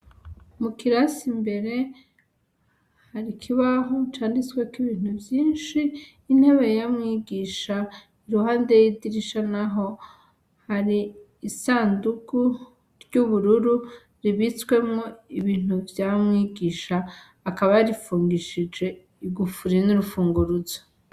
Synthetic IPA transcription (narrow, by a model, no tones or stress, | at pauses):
mukiɾasimbe̞ɾe̞ | haɾikʰiβaɦot͡ʃaːndit͡swe̞kiβiːn̥ubjiːnʃiː | n̥he̞βe̞jamŋiːɡiʃa | iɾuhaːnde̞jidiɾiʃanaɦo̞ | haɾiː | saːnduku | ɾɟuβuɾuɾu | ɾiβit͡swe̞mŋo̞iβiːn̥uvjamŋiːɡiʃaː | kaβajaɾifuːŋɡiʃid͡ʒe̞ | iɡufuɾiniɾufuːŋɡuɾuzo